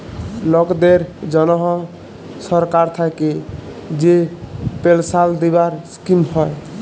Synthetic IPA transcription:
lɔkd̪eɾd͡ʒɔnɔɦɔ | sɔɾkaɾt̪ʰajke | d͡ʒepelsald̪ibaɾskimhɔe

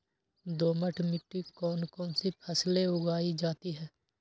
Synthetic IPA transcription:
d̪oːməʈʰmɪʈːikɔːnkɔːnsipʰɛːsleʊɡaːid͡ʒaːt̪iɦɛː

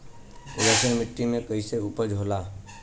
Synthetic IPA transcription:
ʊd̪asənmɪʈːimẽkəiseupəd͡ʒʱoːlaː

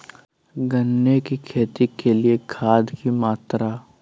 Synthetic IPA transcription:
ɡənːekikʰeːt̪ikeliekʰaːd̪kimaːt̪ɾa

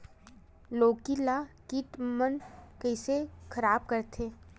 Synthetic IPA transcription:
loːkilakiʈmənkəɪsekʰɐɾaːb̚kəɾt̪ʰeː

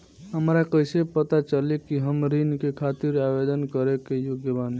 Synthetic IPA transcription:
ɦəmɾakəjsepət̪at͡ʃəlikiɦəmɾinkekʰat̪iɾabed̪ənkəɾekejoɡjəbani

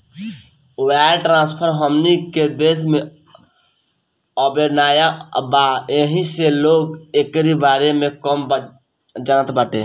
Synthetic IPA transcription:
waːʈɾãːnspʰəɾɦəmniked̪eːsmẽ | ɔbenaːjabaeɦĩseloːɡekɾibaːɾemẽkəmb | d͡ʒaːnət̪baʈeː

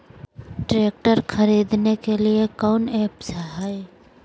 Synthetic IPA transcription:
ʈɾeːk̚ʈəɾxʰɐɾiːd̪nekeliekaʊnɛːpsɐɦaːi

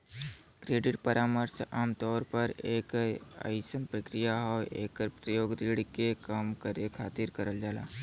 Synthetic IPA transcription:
kɾeːɖɪʈpəɾaːməɾsaːmt̪ɔːɾpɐɾeːka̰jsənpɾəkɾɪjaɦɔḛːkəɾpɾəjoːɡɾiːɽkekamkəɾekʰa̰ːt̪ɪɾkəɾəld͡ʒaːla̰ː

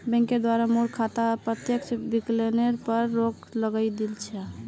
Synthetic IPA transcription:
bɛ̃ŋked̪waɾamuɾkʰat̪apɾət̪jekt͡ʃbikleneɾpəɾːok | ləɡəjd̪ilt͡ʃʰɛ

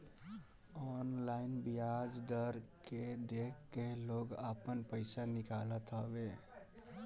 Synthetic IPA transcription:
ɔːnlaɪnbijad͡ʒd̪əɾked̪ekʰːeloːɡəpənpəɪsanɪkalət̪ɦəbe

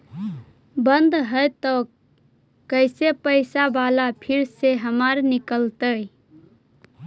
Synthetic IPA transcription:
bənd̪ɦəjt̪ɔ | kəɪsepəɪsabalapʰiɾseɦəmaɾnikəlt̪ə

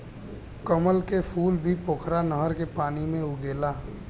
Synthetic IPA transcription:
kəməlkepʰuːlbʱipoːkʰɾanəɦəɾkepaːnimẽʊɡeːlaː

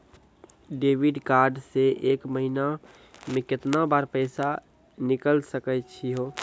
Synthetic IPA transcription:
ɖeːʋɪɖkaːɾɖseʔeːkməɦina | mẽkɪt̪nabaːɾpɛːsa | nɪkəlsəkət͡ʃʰiɦoː

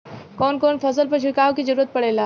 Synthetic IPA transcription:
kɔːnkɔːnfʰɐsəlpɐɾʃ̬ʊkaːʋkizɐɾuːɾət̪̚pɐɽeːlaː

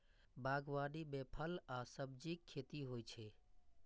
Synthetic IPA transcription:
baːɡʋaːɖibeːpʰəlaːsəbd͡ʒikʰːeːt̪iɦoːit͡ʃʰeː

